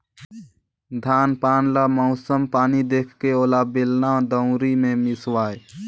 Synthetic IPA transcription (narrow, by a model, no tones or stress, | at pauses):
d̪ʱaːnpaːnlamɔʊsəmpaːnid̪eːkʰkeoːlabelnãd̪əʊ̃ɾimẽmɪswaːe